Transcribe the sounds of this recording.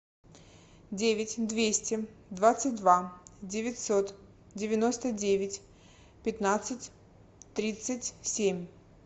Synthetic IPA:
dʲevʲɪtʲd̪vʲesʲtʲɪd̪vat̪sɨt̚ʲd̪vadʲɪvʲɪtʲsot̪ | dʲɪvʲɪnost̪ədʲevʲɪtʲ | pʲɪt̪nat̪sɨtʲ | t̪ɾʲit̪sɨtʲsʲemʲ

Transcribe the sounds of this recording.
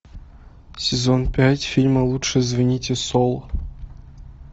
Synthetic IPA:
sʲɪzonpʲætʲfʲilʲməlˠutʂəzvɐnʲitʲesolˠ

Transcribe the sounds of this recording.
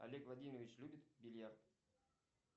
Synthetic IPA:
a̰lʲekvˠadʲiməvʲɪt͡ɕlʲubʲɪt̪bʲɪlʲjart̪

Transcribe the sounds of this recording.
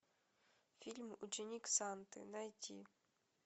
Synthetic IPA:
fʲilʲmut͡ʃɪnʲiksant̪ɪ̰nɐjtʲḭ

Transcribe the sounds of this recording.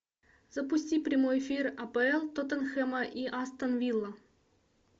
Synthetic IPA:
z̥opusʲtʲiprʲimojefʲirɐpeelˠt̪ŏt̪ɤ̆nxĕməʔiʔast̪ɤ̆nvʲilˠːɤ̆

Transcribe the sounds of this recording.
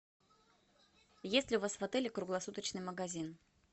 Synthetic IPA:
jesʲtʲlʲɪʊvasvɐt̪ɛlʲɪkɾʊɡlˠɐsut̪ət͡ɕnɨjməɡɐzʲin

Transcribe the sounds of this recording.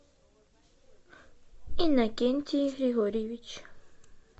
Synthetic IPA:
inakent̪ʰiɾiɦoɾiβit͡ʃ

